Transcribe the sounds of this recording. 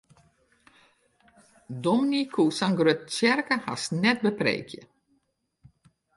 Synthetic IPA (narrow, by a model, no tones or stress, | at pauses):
dɔminikʰusaŋɡrøt̚t͡ʃjɛrkəha̰snɛt̚bəprḛːkʰjə̰